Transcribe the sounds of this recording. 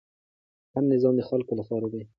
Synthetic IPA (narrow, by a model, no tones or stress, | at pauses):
hamnɪzɑmd̪əxalkolapɑɾad̪e